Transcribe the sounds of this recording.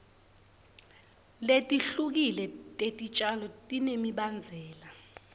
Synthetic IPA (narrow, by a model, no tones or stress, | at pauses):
letʼiɬuk̬ilɛtʼetʼit͡ʃʼalɔtʼinemiɓand͡zʱɛːla